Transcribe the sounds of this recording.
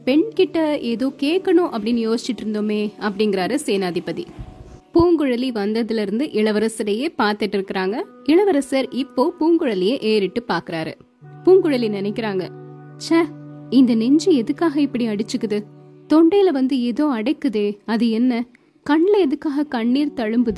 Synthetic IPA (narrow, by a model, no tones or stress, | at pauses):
pɛɳkɪʈːɐeːðoːkeːʈkːɐɳʊ̃ʔɐpːɐɽɪnːjoːsɪt͡ʃːɪʈːɪɾɯnd̪oːmeːɐpːɐɽɪŋɡɪɾaːɾɯseːnaːðɪpːɐðḭpuːŋɡɯɻɐliʋɐnd̪ɐðɪlɪɾɯnd̪ɯʔɪɭɐʋɐɾɐsɐɾɐjeːpaːɾt̪ɪʈːɪɾɯkːɪɾaːŋɡɐ | ɪɭɐʋɐɾɐsɐɾɪpːoːpuːŋɡɯɻɐlɪjeʔeːɾɪʈːɯpaːɾkɪɾaːɾɯ̰ | puːŋɡɯɻɐlinɪnɐɪkːɪɾaːŋɡɐ | t͡ʃaɪnd̪ɐnɛɲd͡ʒɯɛðɯkːaːɣɐɪpːɐɽiɐɽɯt͡ʃːɯkːɯðɯ | t̪ɔɳɖɐjɪlɐʋɐnd̪ɯeːðoːɐɽɐɪkːɯðeːɐðɯɛnːɐ | kɐɳːlɐɛðɯkːaːɣɐkɐɳːiːɾt̪ɐɻɯmbɯðɯ